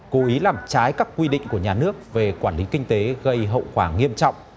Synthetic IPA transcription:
ko˨˦ʔi˨˦laː˨˩mt͡ɕaː˨˦jkaː˦˥kːwi˧ɗḭ̈˧˨ŋ̟ku˧˩əɲaː˨˩nɨ˦˥ək̚ve˨˩kwaː˧˩nli˨˦kï˧ŋ̟t̪e˨˦ɣə˧jɦə̰˧˨wxwaː˧˩ŋi˧əmt͡ɕɔ̰˧˨wŋ͡mʔ

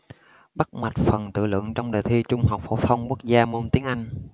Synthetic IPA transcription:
ɓa˦˥t̚ma˨˩jt̚fə˨˩nt̪ɨ̰˧˨lwɨ̰˧˨əŋt͡ɕɔ˧wŋ͡mɗəː˨˩t̪ʰi˧t͡ɕʊ˧ŋ͡mha˨˩wk͡p̚fo̰˧˩t̪ʰə˧wŋ͡mku˦˥ək̚zaː˧mo˧nt̪i˨˦əŋʔa˧jŋ̟

